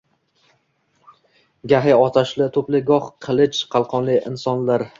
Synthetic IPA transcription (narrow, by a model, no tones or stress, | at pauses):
ɡʲaɦɪɒt̪ʰaʃlɪt̪ʰɵplɪɡɒhqʰɨlˠɪt͡ʃqʰɑlˠqʰɒnlɪɪ̰nsɒnlaɾ